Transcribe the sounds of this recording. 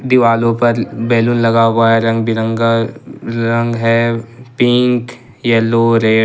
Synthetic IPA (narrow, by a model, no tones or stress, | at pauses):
d̪ɪʋaːlõpɐɾbɛːlunlɐɡawaːeɾɐ̃ŋɡbɪɾə̃ŋɡa | ɾɐ̃ŋɡɦɛpɪ̃ŋk | jɛloːɾeː